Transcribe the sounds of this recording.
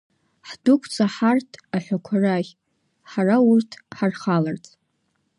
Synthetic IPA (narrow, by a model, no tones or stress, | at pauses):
ħdʊkʷʰt͡sʰʼaħartʰaħʷᶣakʷʰara | ħaraʊrtʰħarχalart͡sʼ